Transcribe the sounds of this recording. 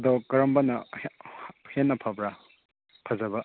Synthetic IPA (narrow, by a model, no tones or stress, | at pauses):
dokɐɾɐmbɐnɐ | henːɐpʰabɾa | pʰɐzɐbɐ